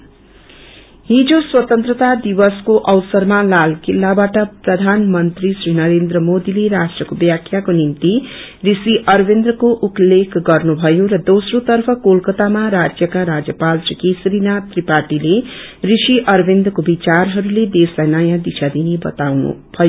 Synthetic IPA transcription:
ɦid͡zoswʌt̪ʌnt̪rʌt̪ad̪ibʌskoʔʌwsʌrmalalkilːabaʈʌprʌd̪ʱanmʌnt̪risrinʌɾend̪ɾʌmod̪ileɾasʈrʌkobjakʰjakonimt̪i | risiʔʌrbend̪rʌkoʔuplːekɡʌrnubʱʌjoɾʌd̪osrot̪ʌrpʰʌkolkʌt̪amaɾad͡zjʌkaɾad͡zjʌpalt͡ʃikisɾinat̪ripaʈile | risiʔʌrbend̪rʌkobit͡sarɦʌɾuled̪eslajnʌjãd̪isʰad̪inebʌ̰t̪awnṵbʱʌjo

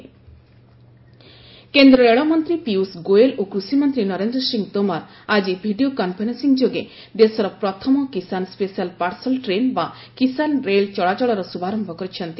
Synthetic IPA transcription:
kend̪ɾɔeɭɔmɔnt̪ɾipiusɡoelokɾusimɔnt̪ɾinɔɾend̪ɾɔsiŋt̪omaɾ | ad͡ʒibʱiɖiokampʰajnɔsiŋd͡ʒoɡe | d̪esɔɾɔpɾɔt̪ʰɔmɔkisanspesialpaɾsɔlʈɾenba | kisanɾelt͡ʃɔɭat͡ʃɔɭɔɾɔsubʱaɾɔmbʱɔkɔɾit͡ʃʰɔnt̪i

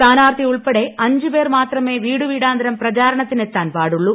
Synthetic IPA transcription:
aːnaːɾt̪iʊɭpɐɽeɐɲd͡ʒɯpeːɾmaːt̪rɐmeːʋiːɽɯʋiːɽaːnd̪ɐɾɐmpɾɐt͡ʃaːɾɐɳɐt̪ːɪnɛt̪ːaːnpaːɽɯɭːu

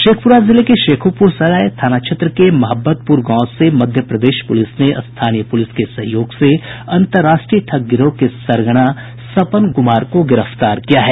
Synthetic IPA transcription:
ʃeːkʰpʊɾazɪlekeʃeːkʰupʊɾsɐlaːjt̪ʰaːnaːt͡ʃʰət̪ɾəkemɐɦəbːət̪̚puɾɡãːsemɐd̪ʱjəpɾɐd̪eːʃpʊlɪsneʔst̪ʰaːnijəpʊlɪskesɐ̃ɦjoːɡseɐ̃nt̪əɾːaːʃʈɾijəʈ̪ʰɐɡɪɾõkesɐɾɡəɽ̃a | sɐpənɡʊmaːɾkoɡɪɾəft̪aːɾkijaɦɛː

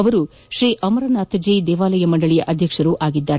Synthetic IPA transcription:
ɐʋɐɾu | ʃɾiːʔɐmɐɾɐnaːt̪ɐd͡ʒid̪ɛːʋaːlɐjɐmɐɳɖɐɭijɐ̰ʔɐd̪ʱjɐkʂɐɾuʔaːɡid̪ːaːɾ

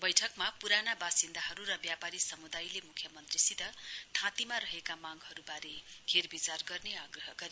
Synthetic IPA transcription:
bʌjʈʰʌkmapuɾanabasind̪aɦʌɾuɾʌbjapaɾisʌmud̪ajlemukʰjʌmʌnt̪risit̪ʌt̪ʰãt̪imaɾʌɦekamaɡhʌɾubaɾekʰerbit͡sarɡʌrneaɡrʌɦʌɡʌɾi

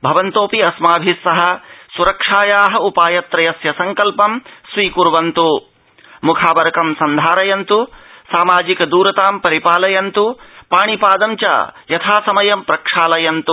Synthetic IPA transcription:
bʱɐʋɐnt̪oːpiɐsmaːbʱisːɐɦɐ̆suɾɐkʂaːjaːɦɐupaːjɐt̪ɾɐjɐsjɐsɐŋkɐlpɐmsʋiːkuɾʋɐnt̪u | mukʰaːbɐɾɐkɐmsɐnd̪ʱaːɾɐjɐnt̪usaːmaːd͡ʒikɐd̪uːɾɐt̪aːmpɐɾipaːlɐjɐnt̪upaːɳipaːd̪ɐmt͡ʃa̰ːjɐt̪ʰaːsɐmɐjɐmpɾɐkʂaːlɐjɐnt̪u

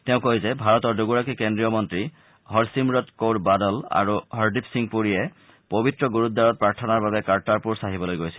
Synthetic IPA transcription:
teʊ̃koɦizɛbʱaɹɔtɔɹduɡuɹakikendɹijɔmɔntɹi | hɔɹsimɹɔtkowtbadɔla̰ɹuɦɔɹdipsiŋpuɹijɛ | pobitɹɔɡuɹutd̪aɹɔt̚pɹaɹtʰɔnaɹbabɛkaɹtaɹpuɹsaɦibɔlojɡojsʰi̥l

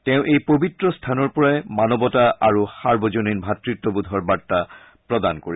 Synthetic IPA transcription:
tɛʊ̃ʔejpobitɹɔstʰanɔɹpɔɹajmanɔbɔtaʔaɹuhaɹbɔzoninbʱatɹitːɔbud̪ʱɔɹbatːa | pɹɔdankoɹi

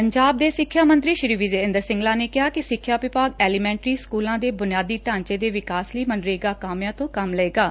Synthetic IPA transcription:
pəɲd͡ʒaːb̚d̪eːsɪkʰːjaːmə̃nt̪ɾiːʃɾiːʋɪd͡ʒeːɪ̃nd̪əɾsɪ̃ŋɡlãːneːkɪɦaːkɪsɪkʰːjaːʋɪpaːɡɛːliːmɛ̃ːɳʈɾiːskuːlãːd̪eːbʊnɪjaːd̪iːʈãːɲt͡ʃeːd̪eːʋɪkaːsliːməɳɖɾeːɡaːkaːmjãːt̪õːkəmləeːɡaː

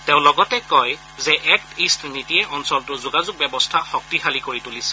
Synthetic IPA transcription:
tẽʊ̃lɔɡɔtɛkɔj | zɛʔɛk̚tistʰnitijɛʔɔnsɔltʊzʊɡazʊɡ̚bɛbɔstʰaxɔk̚tixalikoɹitulisɛ̥

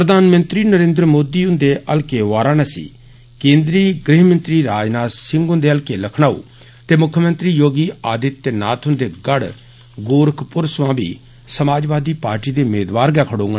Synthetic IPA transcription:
pɾəd̪aːnmə̃nt̪ɾiːnəɾẽːnd̪ɾəmoːd̪iːʊ̃nd̪eːʔəlkeːʋaːɾãːnaːsḭː | kẽːnd̪ɾiːɡɾɪːɦmə̃nt̪ɾiːɾaːd͡ʒnaːsɪ̃ŋɡʊ̃nd̪eːəlkeːləkʰɳ̃aːṵː | t̪eːmʊkʰjəmə̃nt̪ɾiːjoːɡiːaːd̪ɪt̪ːeːna̰ːt̪ʰʊnd̪eːɡəɽ | ɡoːɾkʰpʊɾsʋãːbḭː | səmaːd͡ʒʋaːd̪iːpaːɾʈiːd̪eːʊmeːd̪ʋaːɾɡɛːkʰəɽõːŋɡ

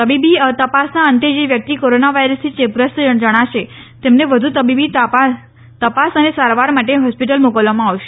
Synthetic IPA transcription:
t̪əbibit̪əpasnaənt̪ed͡ʒeʋjək̚t̪ikoɾonaʋajɾəst̪ʰit͡ʃepɾəst̪əɳd͡ʒəɽ̃aʃet̪emneʋəd̪ʱut̪əbibit̪a | t̪əpasənesaɾʋaɾmaʈeɦɔspiʈ̬əlmokəlʋamãaʋʃe̥

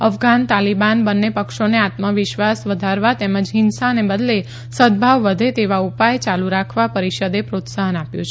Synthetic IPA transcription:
əfɡant̪alibanbənːepəkʃoneat̪məʋɪʃʋasʋəd̪ʱaɾʋat̪eməd͡ʒɦɪnsaənebəd̪le | səd̪̚bʱaʋːəd̪ʱet̪eʋaupajt͡ʃaluɾakʰʋapəɾiʃəd̪epɾot̪saɦənapjũt͡ʃʰe

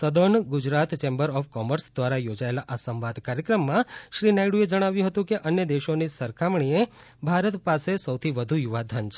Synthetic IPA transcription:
səd̪onɡʊd͡ʒɾat̪t͡ʃembəɾɔfkɔməɾsd̪ʋaɾajod͡ʒaelaʔasəmʋad̪ʱkaɾjəkɾəmːãʃɾinajɽued͡ʒəɽ̃aʋjũɦət̪ũkeʔənjəd̪eʃonisəɾkʰamɳiebʱaɾət̪pasesəwt̪ʰiʋəd̪ʱujuʋad̪ʱant͡ʃʰ

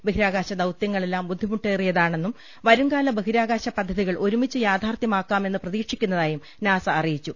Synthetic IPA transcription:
beɦiɾaːɡaːɕɐd̪ɐwt̪jɐŋːɐɭe̞lːaːmbud̪ʱːimuʈːeːrijɐðaːɳe̞nːum | ʋɐɾuŋɡaːlɐbeɦiɾaːɡaːɕɐpɐd̪ʱːɐðiɣɐɭʔo̞ɾumit͡ɕːɨjaːd̪ʱaːrt̪jɐmaːkːaːme̞nːɨprɐðiːkʂikʲːunːɐðaːjum | naːsɐːrijit͡ɕːu

